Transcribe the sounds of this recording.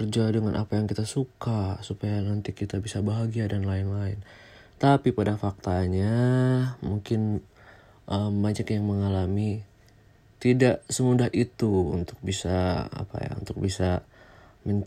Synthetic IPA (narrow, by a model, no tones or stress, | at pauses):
ərd͡ʒaadəŋanʔa̰pajaŋkit̪asukasupajanant̪ikit̪abisabaɦaɡiadanlaɪnlaɪn | t̪apipadafak̚t̪aɲa | muŋkɪn | ʔəmːad͡ʒakjaŋməŋalami | t̪idaʔsəmudaɦʔit̪uṵnt̪ʊ̥k̚bisa̰ːpa̰ja̰ṵnt̪ʊk̚bisa | məɲ